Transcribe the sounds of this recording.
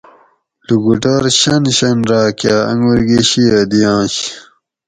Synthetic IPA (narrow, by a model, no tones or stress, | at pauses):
luɡuʈaːɾɕɐnɕɐnɾaːkjaːɐ̰ŋɡwuɾɡeɕiɐd̪ijãːɕ